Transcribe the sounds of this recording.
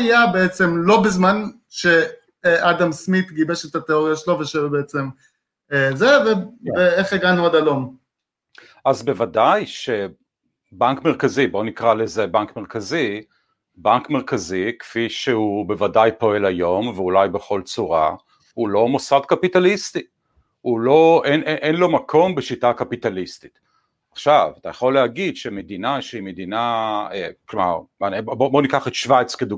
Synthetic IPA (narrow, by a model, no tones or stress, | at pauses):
ajabeet͡semlo̞bezman | ʃe | ad̪amsmit̪ɡibeʃet̪at̪eoʁjaʃeloveʃebeet͡sem | ezeveeeχeɡanuod̪alom | ʔazbe̞vadajʃe | baŋkme̞ʁkazibo̞nikʁalezebaŋkme̞ʁkazi | baŋkmeʁkazikfiʃehube̞vadajpo̞e̞lajo̞mveulajbe̞χo̞lt͡suʁa | hulo̞mosadkapitalist̪i | hulo̞eneʔenlo̞makʰo̞mbeʃitakapitalist̪i̥t | aχʃavat̪ajaχo̞lːehaɡid̪ʃemed̪inaʃeimed̪inaeklomaʁabobo̞nikaχet̪ʃvajt͡skedu